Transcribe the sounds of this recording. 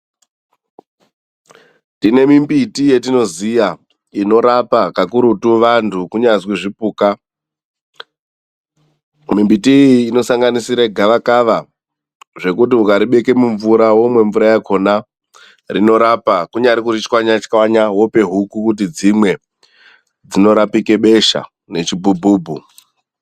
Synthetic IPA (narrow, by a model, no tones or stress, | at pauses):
tine̞mimbitije̞tino̞zija | ino̞ɾapakakuɾutuʋantʰukuɲazwiʐipuːka | mimbitiiːno̞saŋɡanisiɾeɡʱaʋakaʋa | ʐe̞kut̬iukaɾiɓe̞ke̞muɱvuɾawomwe̞ɱvuɾajakʰo̞na | rino̞ɾapakuɲaɾikurit͡ʃkwaɲat͡ʃkwaɲawo̞pe̞ɦukukut̬id͡zimwe̞ | d͡zino̞ɾapike̞ɓe̞ʃa̰ | ne̞t͡ʃibʱubʱuːbʱu